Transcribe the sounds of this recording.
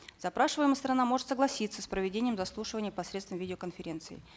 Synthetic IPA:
zɐpɾaʂɨvəjɪməst̪ɾɐnamo̞ʐɨt̪səɡlˠɐsʲit̪sːəspɾəvʲɪdʲenʲɪjəmzɐslˠuʂɨvənʲɪjəpɐsɾʲet̪st̪vəmvʲidʲɪokənfʲɪɾʲe̞nt̪sɨ̰ɪ̰

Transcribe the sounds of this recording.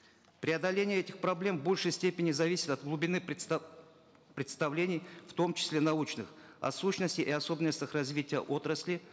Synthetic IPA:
pɾʲɪɐd̪ɐlʲenʲɪjəɛtʲɪxpɾɐblʲe̞mbo̞lʲʂɨjsʲtʲepʲɪnʲɪzɐvʲisʲɪ̥t̪ɐt̪̚ɡlˠʊbʲɪnɨ | pɾʲɪt̪st̪ɐvlʲenʲɪjft̪o̞mt͡ɕɪ̥sʲlʲe̞nɐut͡ɕnɨxɐ̰suɕnəsʲtʲɪʔɪɐso̞bʲɪnːəsʲtʲəxrɐzʲvʲitʲɪjə̰ʔo̞t̪ɾəsʲlʲɪ

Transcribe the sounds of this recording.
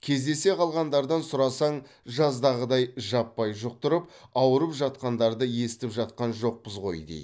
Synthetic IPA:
kʲʰe̞zd̪e̞se̞qʰɑlˠʁɑnd̪ɑɾd̪ɑnsʊɾɑsɑɴ | ʒɑzd̪ɑʁəd̪ɑjʒɑpːɑjʒʊq̚t̪ʰʊɾəp̚ɑwəɾəpʒɑt̪qɑnd̪ɑɾd̪əje̞sɪt̪ɪpʒɑt̪̚qɑnʒo̞q̚pəzʁo̞̰jd̪ḛj

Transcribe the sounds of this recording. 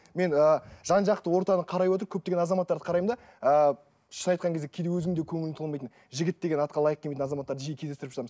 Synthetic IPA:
me̞nəʒ̥ɑnʒɑqt̪əwo̞ɾt̪ɑnəqʰɑɾɑjwo̞t̪̬əɾkʲʰɵp̚t̪e̞ɡʲenɑzɑmɑt̪ːɑɾd̪əqʰɾɑjmnd̪ɑ | ə | ʃənɑjt̪qɑŋkʰʲed̪ekʲʰed̪ewɵzɪŋd̪ekʲʰɵŋɪlɪt̪ʰolˠmɑjt̪ən | ʒɪɡʲɪt̪̚d̪e̞ɡʲenɑt̪̚qɑlˠɑjəq̚ʲʰemet̪nɑzɑmɑt̪ːɑɾd̪əʒijekʲʰezd̪est̪ɪɾɪpʃəɾɑmz

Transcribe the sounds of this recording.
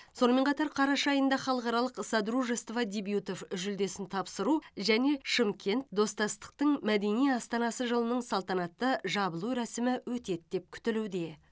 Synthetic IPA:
so̞nəme̞ɴqʰɑt̪ɑɾqʰɑɾɑʃɑjənd̪ɑχɑlˠəqɑɾɑlˠəqsɑd̪ɾuʒest̪vɑd̪ʲebjut̪o̞fʒʏld̪e̞sɪnt̪ʰɑpsəɾuʒæne̞ʃəmkʲʰe̞nt̪d̪o̞st̪ɑst̪ə̥q̚t̪əɴmæd̪e̞nijɑst̪ɑnɑsəʒəlˠənəɴsɑlˠt̪ɑnɑt̪ːəʒɑbəlˠuɾæsɪmɪwɵt̪e̞t̪̚d̪e̞p̚kʲʰʏ̥t̪ɪlud̪e̞

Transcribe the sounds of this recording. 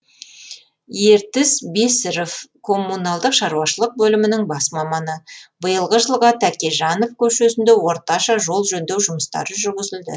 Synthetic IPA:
je̞ɾt̪ɪzbesɪɾofkʰo̞mːunɑlˠd̪əqʃɑɾuwɑʃəlˠəq̚bɵlɪmɪnɪŋbɑsmɑmɑnəbəjəlˠʁəʒəlˠʁɑt̪ʰækʲeʒɑno̞fkʲʰɵʃe̞sɪnd̪ewo̞ɾt̪ɑʃɑʒo̞lˠʒɵnd̪ewʒʊməst̪ɑ̰ɾəʒʏɾɡʲɪzɪld̪ɪ̰

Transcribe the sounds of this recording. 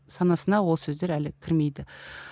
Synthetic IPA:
sɑnɑsənɑwo̞lˠsɵzd̪e̞ɾælɪkʲʰɪɾme̞jd̪ɪ

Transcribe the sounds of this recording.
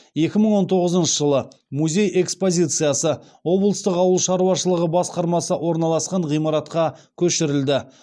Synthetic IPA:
je̞kʲɪməɴwo̞nt̪ʰo̞ʁəzənʃəʒəlˠə | muzʲe̞je̞kspo̞zʲijt̪sɨjasə | wo̞blˠəst̪əqɑwəlˠʃɑɾuɑʃəlˠəʁəbɑsqɑɾmɑsəʔwo̞ɾnɑlˠɑsqɑɴʁijmɑɾɑt̪qɑkʲʰɵʃɪɾɪld̪ɪ

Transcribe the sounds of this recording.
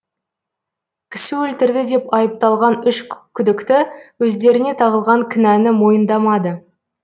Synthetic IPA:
kʲʰɪ̥sɪwɵlt̪ɪɾd̪ɪd̪e̞pɑjəp̚t̪ɑlˠʁɑnʏʃkʲʰʏd̪ɪkt̪ɪwɵzd̪e̞ɾɪne̞t̪ʰɑʁəlˠʁɑŋkʲʰɪnænɪmo̞jənd̪ɑmɑd̪ə

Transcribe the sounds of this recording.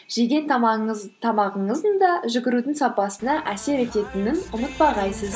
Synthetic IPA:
ʒ̥eɡʲe̞nt̪ʰɑmɑʁəɴəzd̪ənd̪ɑʒʏɡʲɪɾud̪ɪŋsɑpɑsənɑʔæse̞ɾe̞t̪e̞t̪ɪnɪnʊmət̪̚bɑʁɑjsəz

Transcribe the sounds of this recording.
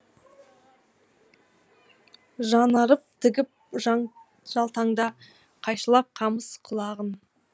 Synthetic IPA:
ʒɑnɑɾəp̚t̪ʰɪɡʲɪp̚ | ʒ̥ɑlˠt̪ɑɴd̪ɑ | qʰɑjʃəlˠɑp̚qʰɑməsqʰʊlˠɑʁən

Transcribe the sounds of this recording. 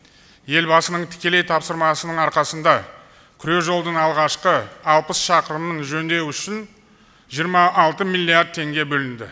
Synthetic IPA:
je̞lbɑsənəɴt̪ʰɪ̥kʲe̞le̞jt̪ʰɑpsəɾmɑsənəɴɑɾqɑsənd̪ɑ | kʲʰʏɾe̞ʒo̞lˠd̪əɴɑlˠʁɑʃqəɑlˠpəsʃɑqəɾəmənʒɵnd̪e̞wʏʃɪn | ʒijəɾmɑʔːlˠt̪əmilʲːiaɾd̪̚t̪ʰːe̞ŋɡʲe̞bɵlɪnd̪ɪ

